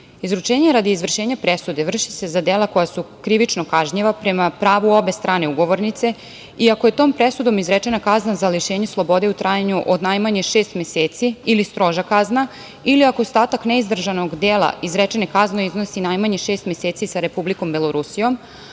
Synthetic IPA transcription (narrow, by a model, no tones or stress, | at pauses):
izɾut͡ʃeːɲeɾad̪iːzvr̩ʃe̞ːɲapɾesud̪e̞ʋr̩ʃise̞zad̪elˠako̞jasukɾiʋit͡ʃnokaʒɲiʋapɾe̞mapɾaːʋuo̞be̞st̪ɾʔaːne̞uɡo̞ʋo̞ɾnit̪se̞ | iakoje̞t̪oːmpɾesud̪o̞mizɾet͡ʃe̞nakaznazaliʃeːɲeslˠo̞bo̞d̪e̞ut̪ɾʔajaɲuʔod̪najmaɲeʃeːst̪meseːt̪siilist̪ɾo̞ʒakazna | iliakost̪aːt̪akneizd̪r̩ʒanoɡd̪eːlˠa̰izɾet͡ʃenekaznoiznosinajmaɲeʃe̞ːst̪meseːt̪sisaɾe̞publiko̞mbelˠoɾusijo̞m